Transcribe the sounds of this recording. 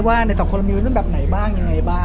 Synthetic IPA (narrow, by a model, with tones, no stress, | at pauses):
waː˥˩na˧jt̪ɔː˨˩kʰo˧li˧˦˥bɛː˨˩p̚na˨˩˦jbaː˥˩ŋja˧ŋːa˧jbaː˥˩